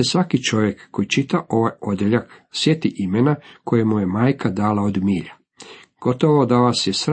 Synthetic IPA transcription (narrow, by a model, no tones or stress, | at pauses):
esʋakit͡ʃo̞ʋjekːojit͡ʃit̪aʔo̞ʋajo̞d̪jeʎaksje̞t̪iʔimenako̞jemuje̞maːjkʰad̪aːlaod̪miːʎa | ɡ̥o̞t̪oʋoːd̪oʋasjesɾ